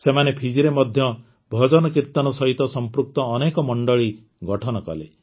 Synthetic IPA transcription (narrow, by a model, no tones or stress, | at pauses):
semanepʰid͡ʒiɾemɔd̪ʱjɔ | bʱɔd͡ʒɔnɔkiɾt̪ɔnɔsɔɦit̪ɔsɔmpɾuk̚t̪ɔːnekɔmɔɳɖɔɭi | ɡɔʈʰɔnɔkɔ̰lḛ